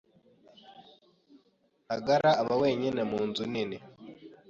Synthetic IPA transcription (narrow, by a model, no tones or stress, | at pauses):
haɡaɾaːβawe̞ːɲinemuːnzunine